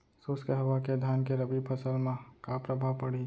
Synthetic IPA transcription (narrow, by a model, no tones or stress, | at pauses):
soskeɦəʋaked̪ʱankeɾəbipʰəsəlmãkapɾəbʱaʋpəɽi